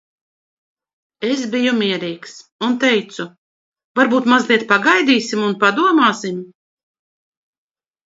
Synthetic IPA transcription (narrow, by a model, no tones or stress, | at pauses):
es̬bijumiɛɾiːksunt̪ɛjt̪su | vaɾbuːt̪mazlˠiɛt̪̚paɡajd̪iːsimunpad̪uɔmaːsim